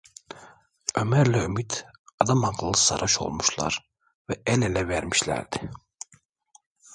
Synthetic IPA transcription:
ømæɾlʲɛymit̪ɑd̪ɑmɑqlˠlːˠɯsɑ̰ɾʔɑʃo̞̰lˠmuʃlˠɑ̰ɾ | vɛʔɛnelɛvæɾmiʃlʲæ̰ɾd̪i

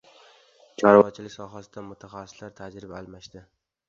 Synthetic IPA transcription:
t͡ʃʰɒɾvɒt͡ʃʰɪlɪkʲsɒɦasɪd̪̥amʊt̪ʰaχasːɪ̥slaɾt̪ʰad͡ʒɾɪbaːlˠmaʃd̪ɪ

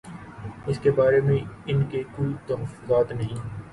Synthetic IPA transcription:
ɪskebaːɾemẽɪnkekoːit̪ɐɦəfːʊzaːt̪nɐɦĩː

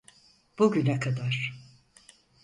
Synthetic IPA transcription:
b̥uɟynɛkʰad̪aɾ̥

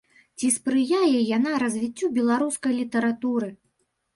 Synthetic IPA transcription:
t͡sʲispɾɨjajɛjan̪aɾɐzʲvʲit͡sʲːubʲɛlˠaɾuskɐjlʲit̪ɐɾat̪uɾɨ

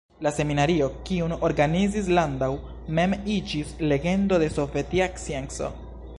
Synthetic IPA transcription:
lase̞minaɾio̞kiuno̞ɾɡanizis̬landaw | me̞mid͡ʒisle̞ɡe̞ndo̞de̞so̞ve̞tiaksienso̞̰

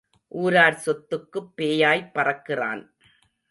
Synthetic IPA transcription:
ʔuːɾaːɾsɔt̪ːɯkːɯpːeːjaːjpːɐrɐkːɪra̰ːn

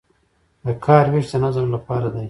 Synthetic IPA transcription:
d̪əkʰɑːɾwiʃd̪ənazəmlapɑːɾad̪aj

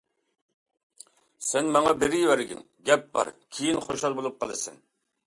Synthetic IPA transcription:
sɛnmɑŋɑbeɾɪjwæɾɡʲɪ̰n | ɡʲɛp̚bɑ̰ɾkʲʰejinχoʃɑlˠbolˠup̚qʰɑlˠɨsɛ̰n

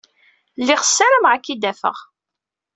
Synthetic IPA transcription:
lːɪχəsːaɾəmʁakːid̪æfə̰ʁ

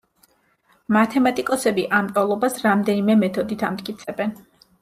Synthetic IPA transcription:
mat̪ʰɛmat̪ʼikʼɔsɛbiʔamt̪ʼɔlˠɔbasɾamd̪ɛnimɛmɛt̪ʰɔd̪it̪ʰamt̪̚ʼkʼit̪sʰɛbɛn

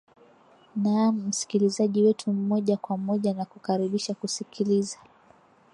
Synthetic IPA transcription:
nam̩si̥kilizaʄiwɛtʰum̩mɔʄakwamɔʄanakukaɾiɓiʃakusikʰiliza

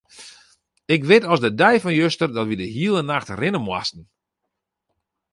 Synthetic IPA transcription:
ɪkʋɪtɔsdədɛjfɔnjøstərdɔtʋidəɦiəlˠənaxtrɪnəmwa̰stn̩

